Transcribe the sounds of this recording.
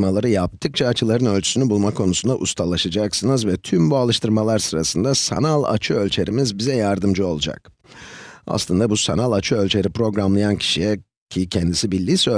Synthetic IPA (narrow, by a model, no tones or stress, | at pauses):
malˠaɾɯjap̚t̪ʰɯk̚t͡ʃʰaːt͡ʃʰɯlˠaɾɯnø̞lʲt͡ʃʰy̥synibulˠmakʰo̞nusund̪aʔust̪ʰalˠaʃad͡ʒaksɯnɯzvɛt̪ʰymbualˠɯʃt̪ɯɾmalˠaɾsɯɾasɯnd̪asa̰nalˠa̰t͡ʃʰɯø̞lʲt͡ʃʰeɾimizbizɛjaɾd̪ɯmd͡ʒɯo̞lˠud͡ʒa̰k | a̰slˠɯnd̪abusa̰nalˠat͡ʃʰɯø̞lʲt͡ʃʰeɾipɾo̞ɡɾamlˠajancʰi̥ʃijɛ | cʰicʰɛnd̪isibilʲːiːsø